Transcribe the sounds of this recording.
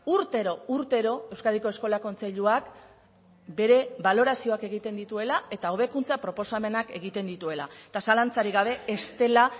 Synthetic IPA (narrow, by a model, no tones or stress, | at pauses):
uɾt̪e̞ɾo̞uɾt̪e̞ɾo̞e̞wskaðiko̞e̞sko̞lako̞nt͡se̞ʎuak | be̞ɾe̞βalo̞ɾasio̞ake̞ɣ̞it̪e̞nd̪it̪ue̞lae̞t̪ao̞β̞e̞kunt͡sapɾo̞po̞same̞nake̞ɣ̞it̪e̞nd̪it̪ue̞laet̪asalant͡saɾiɣaβ̞e̞ːst̪e̞la